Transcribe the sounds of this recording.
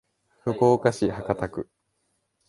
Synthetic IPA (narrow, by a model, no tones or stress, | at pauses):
ɸɯ̟ko̞ːkaɕihakat̪akɯ̟